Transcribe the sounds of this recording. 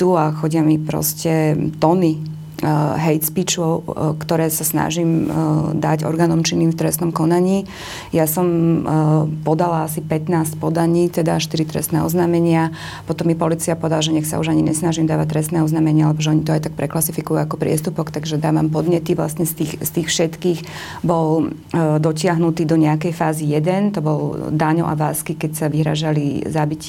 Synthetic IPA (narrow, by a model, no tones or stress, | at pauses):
t̪uaxɔɟɪamipɾɔ̰scɛt̪ɔni | ɦɛjt̪spit͡ʃɔʊkt̪ɔɾɛːsasna̰ʒiːmd̪a̰ɟɔ̰ɾɡaːnɔmt͡ʃiniːmft̪ɾɛst̪nɔmkɔnaɲiː | jasɔm | pɔd̪alaasipɛt̪naːscpɔd̪aɲiːt̪ɛd̪aʃt̪iɾit̪ɾɛ̰st̪nɛ̰ɔ̰znaːmɛɲɪa | pɔt̪ɔmːipɔliːt͡siapɔd̪alaʒɛɲɛxsa̰ṵʒaɲiɲɛsnaʒimd̪aːʋac̚t̪ɾɛst̪nɛːɔznaːmɛɲɪaalɛbɔʒɛɔɲit̪ɔajt̪ak̚pɾɛklasifikujuakɔpɾɪɛ̰st̪upɔkt̪aɡʒɛd̪aːʋampɔd̪ɲɛt̪iʋla̰sɲɛst̪iːxst̪iːxfʃɛt̪kiːx | bɔl | d̪ɔcɪaɦnut̪iːd̪ɔɲɛakɛjfaːzijɛd̪ɛnt̪ɔbɔld̪aɲɔ̰ʔa̰ʋaːskikɛcsaʋiɦɾa̰ːʒalizabic